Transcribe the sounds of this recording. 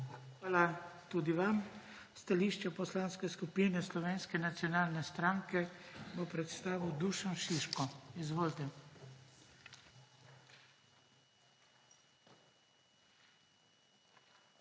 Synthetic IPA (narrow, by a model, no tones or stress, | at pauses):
xʋaːlat̪ud̪iʋam | st̪aliːʃt͡ʃɛpɔslaːnskɛskupinɛslɔʋeːnskɛnat̪sijɔnaːlnɛst̪ɾaŋkɛbopɾɛt̪st̪aːʋiwd̪uːʃanʃiʃkɔizʋoːlt̪ɛ